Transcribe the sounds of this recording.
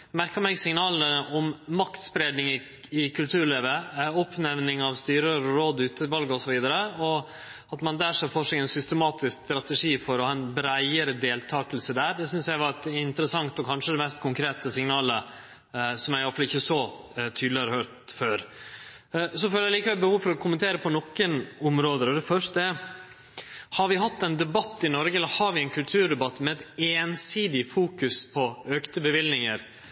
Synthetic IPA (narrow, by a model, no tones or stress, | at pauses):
mæɾkəmɛɡsɪŋnɑːləɔmmɑkt̪spɾeːd̪nɪŋ | ɪkʰʉlt̪ʰʉːɾɭeːʋəɔpːnɛʋnɪŋɑʋst̪yːɾəɾɔɾoːd̪ʉːt̪əʋɑlɡəɔsɔʋiːd̪əɾəɔ | ɑt̪mɑnd̪æʂɛfoːʂɛɪɛɪnsʏst̪əmɑːt̪ɪskst̪ɾɑt̪ɛʂiːfɔɾɔhɑːɛnbɾæɪəɾəd̪eːlt̪ʰɑːkəlsəd̪æːɾd̪ɛsʏnsjæɪʋɑɾɪnt̪əɾəsɑŋt̪ɔkʰɑnʂəd̪ɛmɛst̪̚kʰʊŋkʰɾeːt̪əsɪŋnɑːlə | sɔmjæɪɪʋɑɾfɑlɪçːəsɔt̪ʰyːd̪lɪɑɾhøːɾt̪føːɾ | sɔføljæɪliːkəʋɛlbəhuːfɔɾɔkʰʊmənt̪ʰeːɾəpʰɔnɔkːənʊmɾoːd̪əɾɔd̪ɛfœʂtə | hɑɾʋɪɦɑt̪ːɛɪnd̪ɛbɑt̪ːɪnɔɾɡəɛlːəɾhɑɾʋɪɛɪnkʰʉlt̪ʰʉːɖɛbɑt̪ːmɛɛt̪eːnsiːd̪ɪfuːkʉspʰɔøːkt̪əbəʋɪlnɪŋəɾ